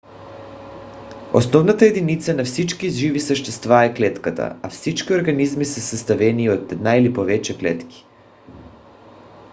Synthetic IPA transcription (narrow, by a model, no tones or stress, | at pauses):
o̰snɔvnat̪aɛd̪init̪sanafsit͡ʃkizʒivisəʃt̪ɛst̪vaɛklɛt̪kat̪a̰afsit͡ʃkioɾɡanizmisɛsast̪avɛniot̪ɛd̪nailipovɛt͡ʃɛklɛt̪ki̥